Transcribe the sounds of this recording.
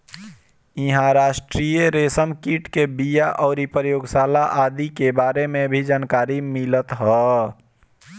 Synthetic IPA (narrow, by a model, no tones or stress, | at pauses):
iɦãɾaːʃʈɾijəɾesənkiʈkebijaʔɔːɾipɾjoːɡsaːlaʔaːd̪ikebaːɾemẽbʱid͡ʒaːnkaːɾimilət̪ɦɔ